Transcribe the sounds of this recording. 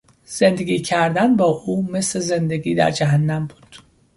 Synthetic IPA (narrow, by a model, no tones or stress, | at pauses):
z̥e̞nd̪eɡʲiːcʰæɾd̪ænbɒːʔuːme̞sle̞ze̞nd̪eɡiːd̪æ̰ɾd͡ʒæɦænːæmbuːd̪̥